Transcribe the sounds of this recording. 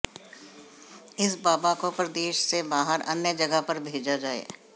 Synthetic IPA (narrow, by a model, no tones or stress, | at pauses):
ɪsbaːbakopɐɾd̪eːʃsebaːɦəɾɐ̰njəd͡ʒɐɡəɦpɐɾbʱeːd͡ʒad͡ʒaːḛː